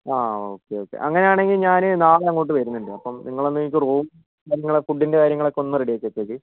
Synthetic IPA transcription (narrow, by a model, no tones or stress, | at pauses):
aːoːkːe̞jo̞ːkːḛʔɐŋːɐne̞jaːɳe̞ŋɡilɲaːnɨnaːɭɐŋːoːʈːɨʋɐɾunːuɳɖɨɐpːɐmnʔiŋːɐɭonːɨikʲːuruːm | kaːɾjɐŋːɐɭekuɖːinde̞kaːɾjɐŋːɐɭekːo̞nːuɨreɽijat͡ɕːet͡ɕːekːi